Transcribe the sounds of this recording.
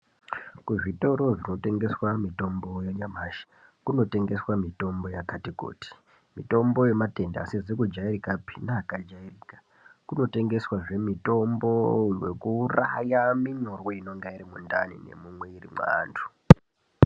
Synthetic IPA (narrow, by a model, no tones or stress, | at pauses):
kuʐito̞ɾo̞ʐino̞te̞ŋɡe̞swamito̞mbo̞jeɲamaːʃḁ | kuno̞te̞ŋɡe̞swamito̞mbo̞jakatiko̰ːti̥ | mito̞mbo̞je̞mate̞nda̰sed͡zekud͡ʒaiɾikapi̥naːkad͡ʒairiːkḁ | kuno̞te̞ŋɡe̞swaʐe̞mito̞mbo̞we̞̰kuːra̰jamiɲo̞rwoino̞ŋɡaiɾimunda̰nḭne̞̰mumwe̞irḭma̰ːndʱu̥